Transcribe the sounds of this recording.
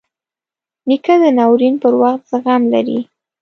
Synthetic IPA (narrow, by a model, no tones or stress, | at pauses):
nikad̪ənɑwɾinpəɾwaxt̪z̥əɣamla̰ɾḭ